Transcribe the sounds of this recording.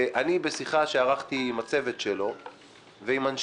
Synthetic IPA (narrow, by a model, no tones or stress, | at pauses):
ʔanibe̞siχaʃeaʁaχt̪iːmat͡se̞ve̞tʃelo̞ | veimanʃ